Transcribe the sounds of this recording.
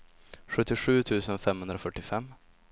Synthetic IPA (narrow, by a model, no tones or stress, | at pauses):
ɧɵt̪ːɪɧʉ̟ːt̪ʰʉ̟ːsənfɛmhɵnd̪ɾɔfœʈːɪfɛmː